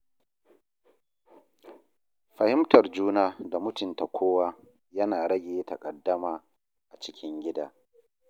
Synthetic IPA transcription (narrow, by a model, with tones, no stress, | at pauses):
ɸɐ˨hɪ˦mtɐ˨rd͡ʒuː˦naː˦da˨mʊ˦tʊ˨nta˨kʷoː˦waː˦ | jɐ˦naː˨ɽɐ˦ɡʲeː˨˦tɐ˨kʼɐ˨dːɐ˦maː˨ | ʔa˨t͡ʃɪ˦kʲɪ˦ŋɡʲɪ˦daː˦